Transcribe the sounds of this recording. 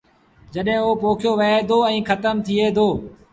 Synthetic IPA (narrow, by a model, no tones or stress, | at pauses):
d͡ʒəɗɦɪ̃oːpoːkʰjoːʋɐɦeːd̪ʱoːɛ̃ːkʰət̪əmt̪ʰieːd̪oː